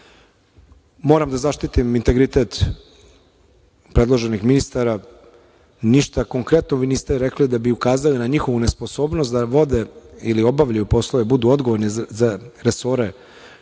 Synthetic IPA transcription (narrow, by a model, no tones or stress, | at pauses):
mo̞ːɾamd̪azaʃt̪it̪imint̪e̞ɡɾit̪e̞t̪ | pɾe̞dlˠo̞ʒe̞nixminist̪aɾa | niʃt̪ako̞ŋkɾe̞t̪noʋiːniːst̪ɛɾeklid̪abiukaːzalinaɲixo̞ʋune̞spo̞so̞ːbnost̪d̪aʋo̞d̪e̞ilio̞baʋʎajupo̞slˠoʋe̞bud̪uo̞d̪ɡoʋo̞ɾnizaɾeso̞ːɾe̞